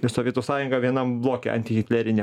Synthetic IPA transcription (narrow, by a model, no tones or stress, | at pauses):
ɪsoːʋʲiɛt̪uːsɑːjʊŋɡɑʋʲiɛnɐmblˠoːkʲḛɐ̰nʲt̪ʲɪɣʲɪt̪ʲlʲæɾʲɪnʲɛ